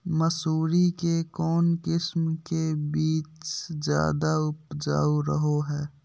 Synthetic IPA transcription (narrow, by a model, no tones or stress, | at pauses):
məsuːɾikekɔːnkɪsmkebiːt͡ʃd͡ʒja̰ːd̪aʊpd͡ʒa̰ːuɾəɦoɦɛː